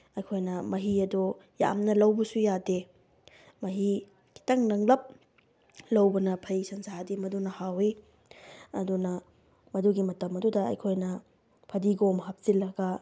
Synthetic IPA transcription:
ɐjkʰojnɐmɐɦiɐdu | ja̰mnɐlɐwbɐsujade | mɐɦi | ki̥tɐŋnɐŋlɐp̚ | lɐwbɐnɐpʰɐjsɐnzadimɐdunɐhawi | ɐdunɐ | mɐduɡimɐtɐmɐdudɐɐ̰jkʰojnɐ | pʰɐdiɡomɦɐp̚zilɐɡɐ

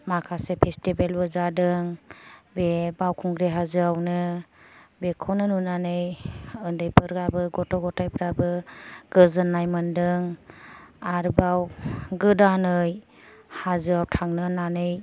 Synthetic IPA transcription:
makʰasepʰestibelbɯzadɯŋbebawkʰuŋɡɾeɦazɯawnɯ | bekʰɔnɯnunanɯjɯndɯjpʰɯɾɡabɯɡɔtɔɡɔtajpʰɾabɯɡ̥ɯzɯnːajmɯndɯŋ | aɾbawɡɯdanɯj | hazɯawtʰaŋnɯnanɯj

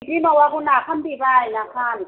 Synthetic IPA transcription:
dinɔwakunakʰambibainakʰaːn

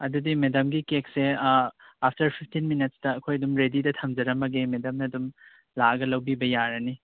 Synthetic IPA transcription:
ɐdudimedɐmɡikek̚se | apʰtɐɾpʰipʰtʰinminɐt̚stɐːkʰojɐdumɾedidɐtʰɐmd͡ʒɐɾɐmɐɡemedɐmnɐːdum | laɐɡɐlɐwbibɐjaɾɐni

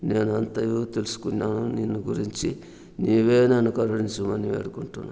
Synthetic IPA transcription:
ne̞ːnuɐnt̪ɐjuːt̪elusu̥kunːaːnuninːuɡuɾiɲt͡ʃi | niːʋe̞ːnenukɐɾɐɽiɲt͡ʃumɐniʋḛːɽukuɳʈunːa

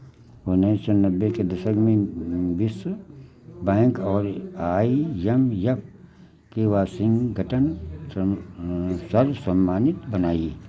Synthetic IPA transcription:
onesənɐbːeked̪ɐsəɡmẽbɪs | bɛ̃ːŋkɔːɾaːijɐmjɐpʰ | keʋaːsɪ̃ŋɡɡʱɐʈən | sɐɾsɐmːaːnɪt̪bɐnaːi

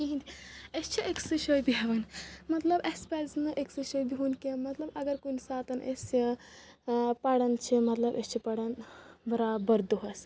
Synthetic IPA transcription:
kiɦĩnd̪iest͡ʃʰiʔeksɨʃojbiɦɐʋɐnmɐt̪lɐbespɛlznɨʔeksɨʃojbiɦunkimɐt̪lɐbɐɡɐɾkunsaːt̪ɐnʔḛsi | pɐɽɐnt͡ʃʰimɐt̪lɐbʔest͡ʃʰipɐɽɐnbɐɾabɐɾd̪uɦɐs

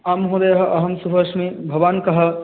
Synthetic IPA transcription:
aːmɦõːd̪ejɦɐʔɐɦɐmsuɦɐʃmẽbʱɐʋaːnkɐɦɐ

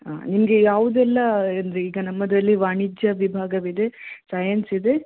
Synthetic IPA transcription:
a̰nimɐɡe̞jaːʋud̪ɛlːɐɐnd̪ɐɾeiːɡɐnɐmːɐd̪ɐlːiʋaːɳid͡ʒjɐʋibʱaːɡɐʋid̪e̞sɐːjɐnsid̪e̞

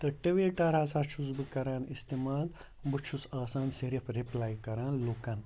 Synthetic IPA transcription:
t̪ɐʈeʋeʈaːɾaːsaːt͡ʃʰusbɨkɐɾaːnist̪emaːl | but͡ʃʰusaːsaːnsiɾifɾiplaːjkɐɾãːnloːkãn

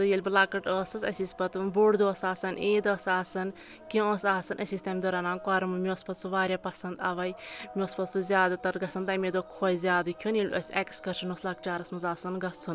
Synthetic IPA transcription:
t̪ɨjelʲblaːkɐʈɔːsɨsɐsʲispɐt̪boɽd̪oːsaːsɐneːd̪ɔsaːsɐn | kʲĩõsaːsɨnʔɐsist̪ɐmd̪oɾaːnaːnkaːɾɐmɨmʲiɔːspɐt̪suʋaːɾʲjaːpɐsɐnd̪aʋɐjmʲioːspɐt̪suzʲaːd̪ɨt̪ɐɾɡɐsɐnt̪amed̪oːkʰoːjzʲaːd̪ɨkʲʰunjelʲo̰sʲɐkskɐɾʃɐnoslaːk̚t͡ʃaːɾɐsmɐzaːsɨnɡɐsun

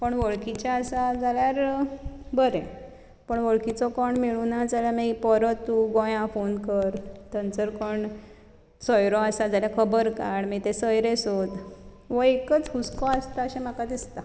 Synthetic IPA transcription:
pəɳʋəɭkit͡ɕaəsad͡zaljaɾ | bəɾɛ̃ | pəɳʋəɭkit͡sɔkɔɳmiɭunad͡zaljamipɔɾət̪ːuɡõjãfonkəɾt̪ənt͡səɾkɔɳ | sɔjɾɔasad͡zaljakʰəbəɾkaɳmit̪esəjɾesot̪ | ʋəekət͡shuskɔast̪aəɕẽm̤akad̪ist̪a

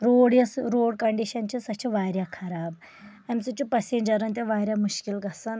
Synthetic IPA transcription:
ɾoːɽjɐsɾoːɽkɐɳɖiʃɐnt͡ʃisɐt͡ʃʰiʋajɾʲjakʰɐɾaːb | ɐmsit͡ʃupɐsend͡ʒɐɾɐnt̪̬ʲaʋaːɾjamuʃkilɡɐsɨn

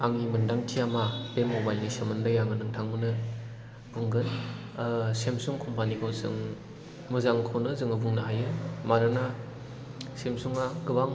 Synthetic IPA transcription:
aŋimɯndaŋtʰiamab̥emobajlnisemɯndajaŋɯnɯŋtʰaŋmɯnɯ | buŋɡɯn | semsuŋkʰɔmpanikʰɯwzɯ̰ŋ | mɯzaŋkʰawnɯzɯŋɯbuŋnaɦajɯmaɾɯna | semsuŋaɡɯbaŋ

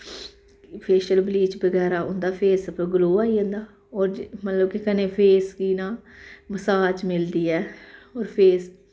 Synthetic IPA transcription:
pʰeːʃəlbliːt͡ʃbəɡɛːɾaːʊnd̪aːpʰeːsəpẽɡʊloːaːiːõnd̪aː | oːɾd͡ʒmət̪ləbkɪkəneːpʰeːskiːnãːməsaːd͡ʒmɪld̪iːɛːoːɾpʰeːs

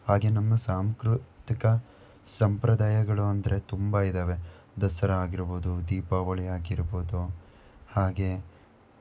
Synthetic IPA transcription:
haːɡe̞nɐmːɐsaːmkɾut̪ikɐ | sɐmpɾɐd̪aːjɐɡɐɭuɐnd̪ɐɾe̞t̪umbɐid̪aːʋe̞ | d̪ɐsɐɾɐaːɡiɾɐboːd̪ud̪iːpaʋɐɭɛjaːɡiɾɐboːd̪u | haːɡe̞

